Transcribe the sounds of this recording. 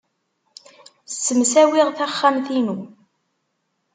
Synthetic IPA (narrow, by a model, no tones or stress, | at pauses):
sːəmsæwɪʁθæχːamθinu